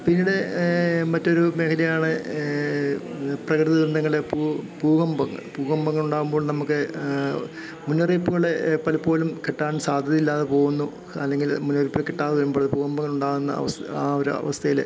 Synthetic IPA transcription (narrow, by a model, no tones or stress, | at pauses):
pinːiɽe̞mɐtːo̞ɾume̞ːkʰɐlɐjaːɳɨ | prɐkrɨðɐʋɾɨnːɐŋːɐɭepupuːɣɐmbɐŋːɐ̰ɭpuːɣɐmbɐŋːɐɭuɳɖaːɣumbo̞ːɭnɐmukːɨ | munːɐriːpːuɣɐɭe̞pɐlɐpːo̞ːlumkeʈːaːnsaːd̪ʱjɐðɐilːaːðepo̞ːɣunːu | ɐ̰lːe̞ŋɡilmunːɐripːilekeʈːaːðɐɐɾumboːɐðpuːɣɐmbɐŋːɐɭuɳɖaːɣunːɐ̰ɐ̰ʋɐsaːoɾuɐ̰ʋɐst̪ʰɐjil